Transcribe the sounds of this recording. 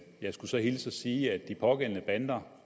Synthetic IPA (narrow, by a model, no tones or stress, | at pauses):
jɑ̈ɪsɡ̥usɒ̽hilsɒsiːæd̥̚ːipʰɒ̽ɡ̥en̰nəb̥ænd̥ɐ